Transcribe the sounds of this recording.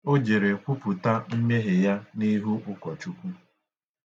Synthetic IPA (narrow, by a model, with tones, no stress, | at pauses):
o˦d͡ʒe˨ɾe˨kʷʊ˦pʊ˨ta˦m̩˦me˦ɦe˨ja˦ni˦ɦu˦ʔʊ˦kʷɔ˨t͡ʃu˦kʷu˦